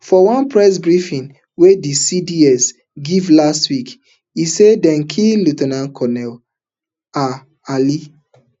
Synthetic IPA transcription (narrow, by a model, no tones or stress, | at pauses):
fɔwãnpɹɛs̬bɹifĩn | wedisidiɛs | ɡivlastwik | isedɛ̃nŋkʰilutɛnãnkʰɔnɛl | a | ali